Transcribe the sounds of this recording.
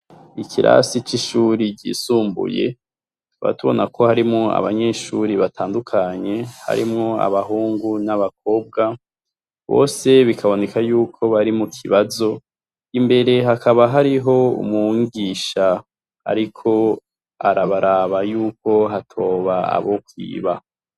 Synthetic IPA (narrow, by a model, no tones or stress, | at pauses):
ikʰiɾa̰sit͡ʃiʃuɾiɟḭːsuːmbṵje̞̰ | βa̰tuβo̞̰nakʰo̞haɾimŋoa̰βaɲe̞ʃuɾiβatʰaːndukʰaɲe̞ha̰ɾḭmŋoa̰βaɦuːŋɡunaβak̚o̞ːb̚ɡa | βo̞̰ːse̞βikʰaβo̞ne̞kʰajuːkʰo̞βaɾimukʰiβazo̞ | imbe̞ɾe̞ɦakʰaβaɦaɾiɦo̞ṵmuŋɡiʃa | a̰ɾikʰo̞ | a̰ɾaβaɾaβajuːko̞ɦatʰo̞ːβaa̰βo̞kwḭːβa